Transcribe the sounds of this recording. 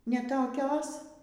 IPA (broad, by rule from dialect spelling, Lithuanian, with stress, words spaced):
nʲɛ toːˈkʲoːs